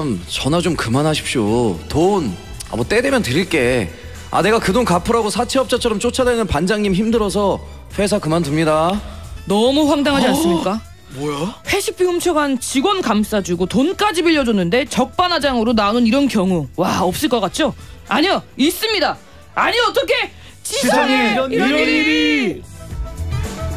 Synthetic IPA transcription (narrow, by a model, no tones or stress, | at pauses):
mt͡ɕʌnad͡ʑomkɯmanɦaɕʰi̥pɕ͈oton | a̰mot͈e̞de̞mjʌntɯɾiɭk͈e̞ | a̰ne̞ɡakɯdoŋkapʰɯɾaɡosʰat͡ɕʰeʌp̚t͡ɕ͈at͡ɕʰʌɾʌmt͡ɕ͈ot͡ɕʰadwenɯnpand͡ʑaŋɲimçimdɯɾʌs̬ʰʌ | ɸwe̞s̬ʰakɯmantɯmɲidanʌmuɸwaŋdaŋɦad͡ʑiansɯmɲik͈a | bojaɸʰe̞ɕʰip͈ʰːihumt͡ɕʰʌɡant͡ɕiɡwʌnkams͈ad͡ʑuɡotonk͈ad͡ʑibiʎːʌd͡ʑunːɯnde̞t͡ɕʌk̚p͈anad͡ʑaŋɯɾonanoniɾʌnkjʌŋuwaʌp̚s͈ɯɭk͈ʌk͈at̚t͡ɕ͈oaɲʌis͈ɯmɲida | aɲiʌt͈ʌkʰe̞ | t͡ɕi